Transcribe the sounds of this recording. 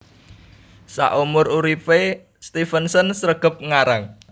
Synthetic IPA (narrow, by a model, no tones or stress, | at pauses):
sa̰ʔumʊruɾife | st̪ifənsənsɾəɡ̥ə̤p̚ŋaɾaŋ